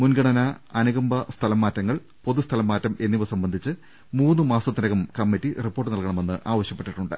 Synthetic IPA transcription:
munɡɐɳɐnɐɐnuɣɐmbɐst̪ʰɐlɐmːaːtːɐŋːɐɭ | po̞ðust̪ʰɐlɐmːaːtːɐme̞nːiʋɐsɐmbɐnd̪ʱit͡ɕːɨ | muːnːɨmaːsɐt̪ːiɾɐɣɐmkɐmːitːiripːo̞ːrʈːɨnɐlkɐɳɐme̞nːɨʔaːʋɐɕjɐpːe̞ʈːiʈːuɳɖɨ̰

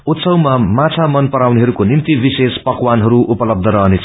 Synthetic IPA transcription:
ut̪sʌwmamat͡sʰamʌnpʌɾawneɦʌɾukonimt̪ibisespʌkwanɦʌɾuʔupʌlʌb̚d̪ʱʌɾʌɦʌnet͡sʰʌ

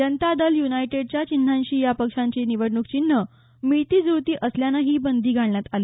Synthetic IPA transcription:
d͡ʑənt̪ad̪əljunajʈeɽ̚t͡ɕjat͡ɕin̤ʱaɲɕiːjapəkʂãɲt͡ɕeniʋəɽɳukt͡ɕin̤ːə | mit̪iːd͡zut̪iːʔəsljanaɦiːbənd̪ʱiːɡʱaɳɳjat̪ale

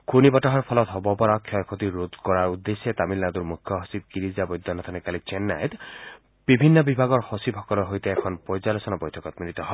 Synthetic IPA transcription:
kunibɔtaɦɔɾpʰɔlɔt̪ɦɔbɔpɔɾɔkʰjɔjkʰot̪iɾud̪kɔɾaɾud̪ːesːet̪amilnad̪uɾmukʰjɔɦɔsib̚kiɾizabɔjd̪ʱːɔnɔt̪ʰɔnekalit͡ʃenːajt̪ | b̥ibʱinːɔbibʱaɡɔɾhɔsibɦɔkɔlɔɦojt̪eːkʰɔnpɔjd͡ʒalɔsɔnɔbɔjtʰɔkɔt̪milit̪ɔɦɔe

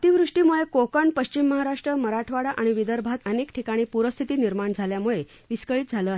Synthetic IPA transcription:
t̪iʋɾuʂʈiːmuɭekokəɳpəɕt͡ɕimːəɦaɾaʂʈɾəməɾaʈʰʋaɽaʔaɽ̃iʋid̪əɾbʱat̪ənekʈʰikaɽ̃iːpuɾəst̪ʰit̪iːniɾmaɳd͡zʱaljamuɭe | ʋiskəɭiːt̪̚d͡zʱaləːaɦ

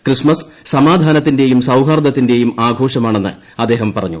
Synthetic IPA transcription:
krismɐs | sɐmaːd̪ʱaːnɐt̪̬ːinde̞jumsɐwɦaːrd̪ɐt̪ːinde̞jumaːɡʱo̞ːʂɐmaːɳe̞nːɨ̰ | ɐd̪ːe̞ːɦɐmpɐrɐ̰ɲːṵ

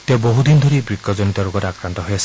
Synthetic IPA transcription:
t̪eboɦud̪inɔd̪ʱoɾibɹikːɔd͡ʒɔnit̪ɔɾoɡɔtakɾant̪ɔɦojasi

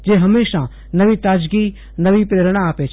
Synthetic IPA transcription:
d͡ʒeːɦəmeːʃa | nəʋit̪aːd͡ʒɡi | nɐʋipɾeːɾɽ̃aaːpet͡ʃʰ

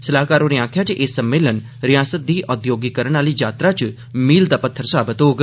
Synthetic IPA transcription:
səlaːkaːɾoneãːkʰjat͡ʃʰʔesəmːeːlən | ɾijaːsət̪̚d̪iːʔɔd̪joːɡikəɾəɳ̃aːlid͡ʒaːt̪ɾat͡ʃ | miːld̪apət̪ʰːəɾsaːbət̪oːɡ

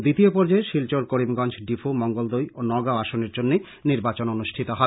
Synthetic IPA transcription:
d̪it̪iopɔɾd͡ʑaeʃilt͡ɕoɾkoɾimɡɔnd͡ʑɖifʰumɔŋɡold̪ojonɔɡaaʃoneɾd͡ʑonːe | niɾbat͡ɕononuʃʈʰit̪oɦɔ

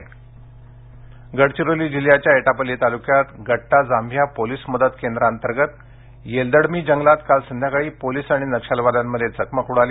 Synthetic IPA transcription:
ɡəɽt͡ɕiɾoliːd͡ʑiljat͡ɕjaeʈapəlːit̪alukjat̪ɡəʈːad͡zambʱjapoliːsməd̪ət̪kend̪ɾaənt̪əɾɡət̪ | jeld̪əɽmiːd͡ʑəŋɡlat̪kalsənd̪ʱjakaɭiːpoliːsaɽ̃inəkʂalʋad̪amːəd̪ʱjet͡səkməkuɽaliː

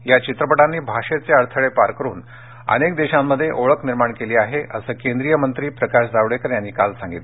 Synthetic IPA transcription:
jat͡ɕit̪ɾəpəʈanːiːbʱaʂet͡seəɾt̪ʰəɭepaɾkəɾṵːn | ə̰nekd̪eɕamːəd̪ʱːjeʔoɭəkniɾmaɳkeliːaɦeʔəsəːkend̪ɾijəmənt̪ɾiːpɾəkaɕd͡zaʋɽekəɾjanːiːkalsaŋɡit̪

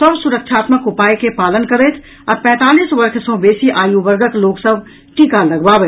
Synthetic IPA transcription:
səbsʊɾəkʃʰaːt̪məkʊpaːekepaːlənkəɾeːt̪ʰ | ɔɾpɛ̃ːt̪aːliːsʋɐɾkʰsɔ̃beːsiʔaːjuʋəɾɡʱəkloːksəbʱ | ʈikalɐɡbaːbeː

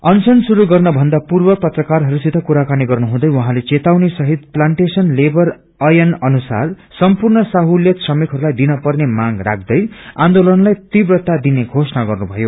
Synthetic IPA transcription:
ʌnsʌnsuɾuɡʌrnʌbʱʌnd̪apurbʌpʌt̪rʌkarɦʌɾusit̪ʌkuɾakaniɡʌrnuɦũd̪ʌjwʌɦãlet͡set̪awnisʌɦit̪̚plaɳʈesʌnlebʌr | ʌjʌnʌnusa̰r | sʌmpurnʌsaɦuljʌt̪sʌmikɦʌɾulajd̪inʌpʌrnemaɡra̰k̚ʰd̪ʌjã̰nd̪olʌnlajt̪ibrʌt̪ad̪ineɡʱosʌnaɡʌrnubʱʌjo

